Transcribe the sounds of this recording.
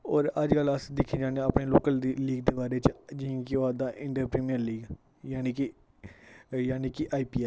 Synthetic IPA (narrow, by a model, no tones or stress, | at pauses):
ɔːɾəd͡ʒkələsd̪ɪkʰːĩːd͡ʒaːneəpɳeːloːkəld̪iliːɡd̪eːbaːɾeːt͡ʃd͡ʒĩkioaːd̪aːʔɪ̃ɳʈəɾpɾeːmijəɾliːɡ | jaːniːkɪ | jaːniːkɪʔaːiːpiːɛː